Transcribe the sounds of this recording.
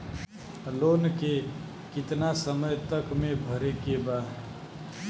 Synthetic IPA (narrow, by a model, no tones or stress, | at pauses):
lonke | kɪt̪nasəməjt̪əkmebʱəɾekebaɦ